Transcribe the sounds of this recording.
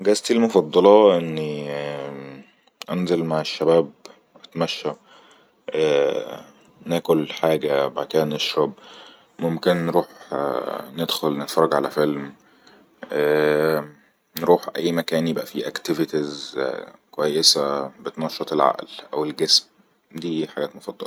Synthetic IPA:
ɡæst̪ilmofɑd̪ˤːɑlɑʔenːi | ʔænzelmaʕeʃːæbæːb | ʔæt̪mæʃːæ | ʔæː | næːkolħaːɡæbaʕt̪ehæneʃɾˤɑb | momkenːɾuːħ | ned̪xolnenfɑɾˤːɑɡʕalæfelm | ʔæ | nɾuːħʔæjːmækæːnjebʔæfiʔækt̪ɪvɪt̪iz | kowæjːesæbet̪nɑʃːɑt̪ˤelʕa̰ʔlʔæwelɡesm | d̪iːħaɡæːt̪mofɑd̪ˤːɑ̰l

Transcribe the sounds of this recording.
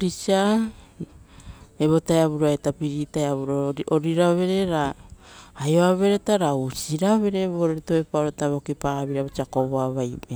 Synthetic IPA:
ɾit͡ʃa | eβo̞taeaβuɾoaetapiɾitaeaβuɾooɾiɾaβe̞ɾe̞ɾaː | joaβe̞ɾetaɾausiɾaβe̞ɾe̞βoɾɾtoepaoɾotaβokipaβiɾaβot͡ʃakoβoaβajme

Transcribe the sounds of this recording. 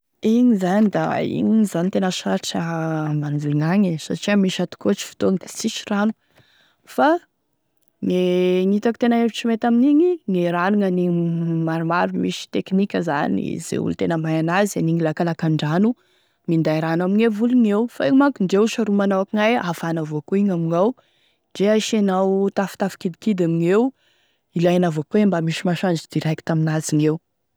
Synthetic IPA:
iɲizanid̪aḭŋzanit̪enəʃaɾʈ͡ʂəmand͡zuluŋaɲisa̰ʈ͡ʂiəmiʃat̪u̥kot͡ʃi̥fi̥t̪ond̪ḁsiʃiɾanu̥ | fa | ŋeŋit̪aku̥t̪enəevit͡ʃimet̪aminiɲiŋeɾanuŋanimaɾumaɾumiʃi̥t̪eknikʲəza̰nḭz̥ḛṵlut̪enəmajanazianiŋilakalakaɳɖ͡ʐanu | mind̪ajɾanamiɲevuluŋewfaemakunɖ͡ʐeuʃaɾumanawakiŋajafanavokoiɲamiŋaw | d͡ʒeaʃanawt̪afu̥t̪afi̥kid̪ikid̪amiŋew | ilajanavokembamiʃimaʃand͡ʒid̪iɾajki̥t̪aminaziŋew

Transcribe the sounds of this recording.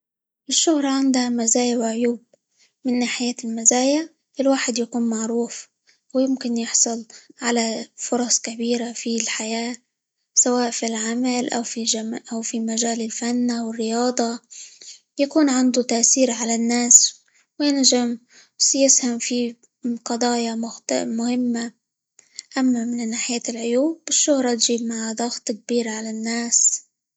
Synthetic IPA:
ʔɪʃːʊhɾˤʕand̪hamazaːjawʕʊjuːb̚ | mɪnːaːħɪjaːlmazaːjaʕ | ʔɪlwaːħɪd̪jakuːnmaʕɾuːf | wjɪmkɪnjɪħsˤʊlʕalafʊɾˤɑsˤkabiːɾafilħajaː | sawaːʔfilʕamalʔawfiʔawfimaʒaːlɪlfanːʔawɪrːɪjɑːd̪ˤɑ | jakuːnʕɪnd̪ut̪aʔsiːɾʕalanːaːs | wjɪnʒam | sjɪshamfi | qɑd̪ˤɑːjammʊhɪmːa | ʔamːamɪnnːaːħɪjaːt̪lʕʊjuːbɪʃːʊhɾˤɑt̪ʒiːb̚maʕad̪ˤɑɣt̪ˤk̚biːɾʕalanːaːs

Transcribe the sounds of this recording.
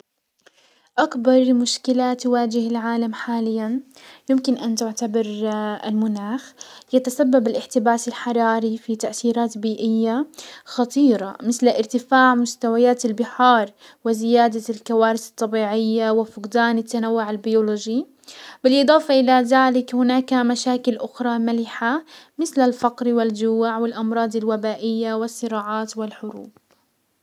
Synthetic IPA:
ʔakbɑɾˤmʊʃkɪlat̪ʊwaːd͡ʒɪhɪlʕaːlamħaːlɪjːanjɪmkɪnʔant̪ʊʕt̪abɑɾˤɪ̰lmʊnaːxjat̪asabːabɪlʔɪħt̪ɪbaːsalħɑɾˤɑːɾifit̪aʔθiːɾaːt̪biːʔɪjːaxɑt̪ˤiːɾɑmɪθlʔɪɾt̪ɪfaːʕmʊst̪awajaːt̪ɪlbɪħɑːɾˤ | wɪzɪjaːd̪alkawaːɾɪθɨ̥t̪ˤːɑbiːʕɪjːawɪfʊqd̪aːnɪt̪ːanawːʊʕalbɪjoːloːʒi | bɪlʔɨd̪ˤɑːfɑʔɪlaðaːlɪkhʊnaːkamaʃaːkɪlʔʊxɾˤɑmalɪħamɪθlalfɑqɾwɪld͡ʒuwʕwɪlʔɑmɾˤɑːd̪ˤɪlwabaːʔɪjːawɪsˤːɨɾɑːʕɑːt̪wɪlħʊɾṵːb

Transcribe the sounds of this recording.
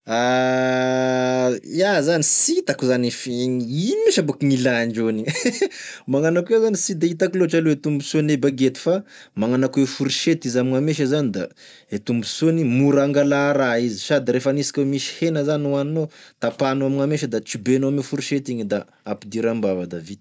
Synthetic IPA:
a | azanisit̪akuzanifŋiimiʃabukiŋilaɳd͡ʒoni | maŋanakwezanisid̪ait̪akiloʈ͡ʂaloet̪umbusonebaɡet̪i̥fa | maŋanakwefuɾiʃet̪izamiŋameʃ̬azanid̪a̰ | et̪umbusonimuɾaŋɡalaɾaiziʃad̪iɾefanisi̥kʲwemisi̥henəzanuaninot̪apanuamiŋameʃəd̪at͡sibenoamefuɾiʃet̪iɲid̪a̰ | apid̪iɾambavad̪avit̪i̥

